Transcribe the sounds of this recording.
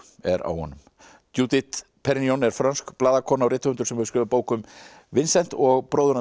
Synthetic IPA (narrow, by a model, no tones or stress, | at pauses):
ɛɾa̰whɔ̰nːʏm | t̪juːt̪ɪt̪ | pʰɛɾniɔnɛɾ̥fɾanskplaːðakʰɔːnawɾɪːt̪aʏnt̪ʏ̥sɛmhɛʏskʏːvapoːwkʏm | vɪnsɛjn̥t̪ɔɣpɾoːwðʏɾa